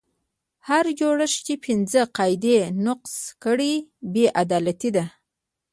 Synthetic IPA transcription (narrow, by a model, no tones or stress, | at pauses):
haɾd͡ʒoɽəʃt͡ʃepʰɪnzəqɑjd̪enʊqskəɽibeʔad̪ɑlat̪id̪a